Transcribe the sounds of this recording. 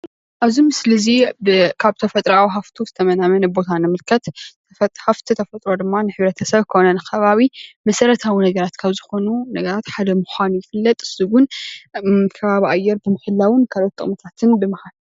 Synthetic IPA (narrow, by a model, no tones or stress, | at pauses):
ʔaβzimɨslɨzibɨkʰaβt̪ʰɐfɐt̪ʼɾawɦaft̪ʰuzɨt̪ʰɐmɐnamɐnɐbo̞t̪ʰanɨmɨlkʰɐt̪ | haft̪ʰit̪ʰɐfɐt̪ʼɾo̞d̪ɨmːanɨħɨβɾɐt̪ʰɐsɐβkʰonɐnɨkʰɐβaβimɐsɐɾɐt̪ʰawinɐɡɐɾat̪kʰaβzɨxo̞nunɐɡɐɾat̪ħad̪ɐmuxʷanjɪfɨlːɐt̪ʼɨsz̥iɡʊn | kʰɐβaβiʔajːɛɾbɨmɨxɨlːawɨnkʰalo̞t̪ʼːɨ̰χmɨt̪ʰat̪ʰɨnbɨmɨhal